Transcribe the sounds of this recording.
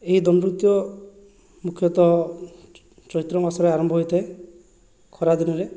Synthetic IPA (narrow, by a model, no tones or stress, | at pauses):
eɦid̪ɔmbɾut̪jɔ | mukʰjɔt̪ɔ | t͡ʃɔɦit̪ɾɔmasɔɾeaɾɔmbʱɔɦojt̪ʰae | kʰɔɾad̪inɔɾe